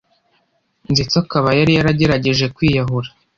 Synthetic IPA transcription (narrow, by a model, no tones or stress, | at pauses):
nzit͡sakaβajaɾijaɾaɟe̞ɾaɟe̞ʒe̞kwiːjaɦuɾḁ